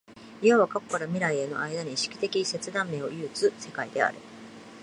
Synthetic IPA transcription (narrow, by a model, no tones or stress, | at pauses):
ijaβakako̞̥kaɾamʲiɾaie̞no̞̰ʔaid̪aɲ̟iɕi̥kʲi̥t̪e̞kʲise̞t͡sɨd̪ãmːe̞ːo̞̰jɯːt͡sɨse̞kaid̪e̞a̰ɾɯ̟̰